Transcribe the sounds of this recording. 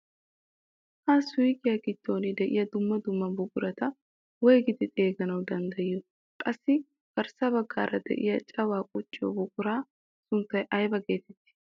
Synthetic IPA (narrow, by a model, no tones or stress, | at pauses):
hɐsʊwijkʼɪjɐkɪt̪ːo̞ːnɪd̪ɛʔɪjɐd̪ʊmːɐd̪ʊmːɐbʊkʼʊɾɐt̪ɐ | wɔjɡɪd̪ɪt̪ʼe̞ːɡɐnɐwd̪ɐnd̪ɐjːɔ | kʼɐsːɪ | b̥ɐɾsɐbɐɡːa̰ːɾɐd̪ɛ̰ʔɪ̰jɐt͡ʃʼɐwaːkʼɔt͡ʃʼːɪjɔ̰bʊkʼʊɾaː | sʊnt̪ːɐjʔɐjbɐɡeːt̪ɛt̪ːɪ̥